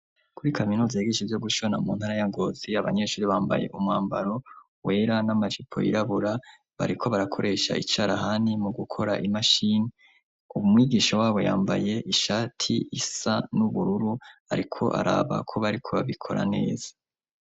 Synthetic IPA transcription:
kuɾikaminuːzajeɡeʃevjo̞ɡuʃo̞namuːn̥haɾajaŋɡo̞ːz̥iaβaɲe̞ʃuːɾiβaːmba̰je̞̰ʔumŋaːmbaɾo̞ | we̞ːɾanamaʒipʰo̞̰jḭɾaβuɾa | βa̰ɾikʰo̞βaɾakʰo̞̰ɾʔe̞ʃa̰ʔit͡ʃaːɾaɦanimuɡukʰo̞ɾaʔimaʃine | umumŋiːɡiːʃowaːβo̞ja̰ːmbaje̞ʔiʃatʰḭisanuβuɾuɾuha̰ɾikʰo̞̰ʔa̰ɾa̰βa̰kʰo̞βaɾikʰoβaβikʰo̞̰ɾa̰ne̞̰ːz̥ḁ

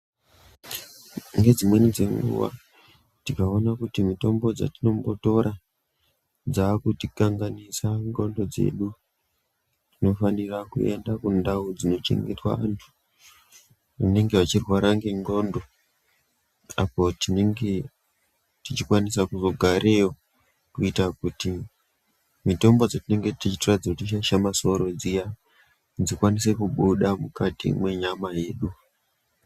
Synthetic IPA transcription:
ŋɡe̞d͡zimwe̞nid͡ze̞ŋɡṵʋa̰ | tikaonakutimito̞mbo̞d͡za̰tino̞mbo̞to̞ɾa | d͡zakutikaŋɡanisaŋɡo̞ndo̞d͡ze̞̰ɗu | tino̞fanirakṵe̞̰ndakundaud͡zino̞t͡ʃe̞̰ŋɡetwa̰ʋa̰ntʰu̥ | ane̞ŋɡeʋat͡ʃirwaɾaŋɡeŋɡo̞ndo | a̰po̞tineŋɡe | tit͡ʃikwanisakuzo̞ɡʱaɾe̞jo | kuitakuti | mito̞mbo̞d͡zotine̞ŋɡetit͡ʃitorad͡zakutiʃaʃamaso̞ɾo̞d͡zija | d͡zikwanise̞kuɓuɗamukatḭmwe̞ɲamaje̞ːɗu

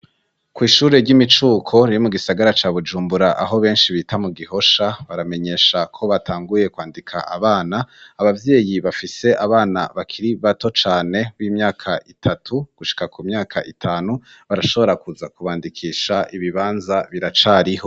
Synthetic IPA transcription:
kwiːʃuːɾe̞ɾɟimit͡ʃuːkʰo̞ɾijomuɡisaɡaɾat͡ʃaːβud͡ʒuːmbuɾaʔaɦo̞βe̞ːnʃiβitamuɡiɦo̞ʃaβaɾame̞ɲe̞ʃakʰo̞βatʰaːŋɡuje̞kwaːndikʰa̰ʔa̰βaːnaːβavje̞ːjiβafise̞ʔaβaːna̰βakʰiɾiβato̞t͡ʃaːne̞βiːmɲaːkʰaʔitʰatʰuɡ̥uʃi̥kakumɲaːkʰa̰ʔitʰaːnu | βaɾaʃo̞βo̞ɾakuzakuβaːndikʰiːʃaʔiβiβaːnzaβiɾat͡ʃaːɾiho̞

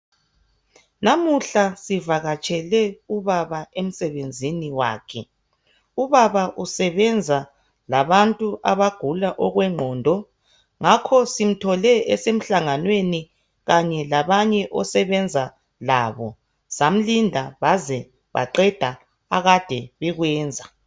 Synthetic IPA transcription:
namuɬasivaɣat͡ʃʼɛlɛuβaβaem̩sɛβend͡zʱiniwa̰ːkʰɛ | uβaβaʔusɛβɛnd͡zʱa | laβantʼuʔaβaɡ̥ʱulaʔɔɣwɛŋ͡ǃʱɔːndʱɔ | ŋakʰɔsim̩tʰɔlɛɛsem̩ɬaŋanweni | ɣaɲɛlaβaɲɛʔɔsɛβɛnd͡zʱa | laːβɔ | sam̩lindʱaβazɛ | βa̰ǃɛd̥ʱa | aɣad̥ʱɛβɛɣwɛːnd͡zʱa

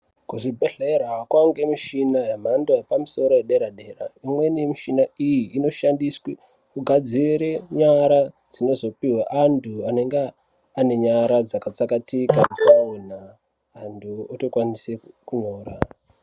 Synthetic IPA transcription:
kuʐibʱeɮeeɾakwaŋɡe̞miʃinajem̤andoepamuso̞ɾo̞jeɗe̞ɾaɗe̞ːra̰imwe̞nimiʃinaijiʔːno̞ʃandiswi | kuɡʱad͡ziɾeɲaɾa | d͡zino̞zo̞piwaʔandʰuane̞ŋɡeː | ne̞ɲaɾad͡zakat͡sakatikausamwenaː | ndʰʱuoto̞kwanisekuɲo̞ːɾa

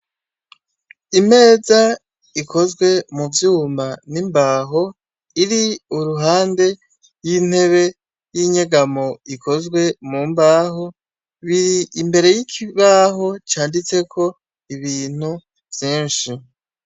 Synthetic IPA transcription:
ime̞ːza | iko̞zɡwe̞muvjuːmanimbaɦo̞ | iɾiuɾuɦaːnde̞ | jin̥he̞βe̞ | jiɲeɡamo̞ikʰo̞zɡwe̞mumbaːɦo | βiɾiimbe̞ɾe̞jikʰiβaɦo̞t͡ʃaːndit͡se̞kʰo̞ | iβiːn̥u | v̥jiːnʃi

